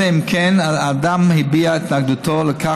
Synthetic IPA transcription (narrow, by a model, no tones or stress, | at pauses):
eimkenaad̪amhibiait̪naɡd̪ut̪oleka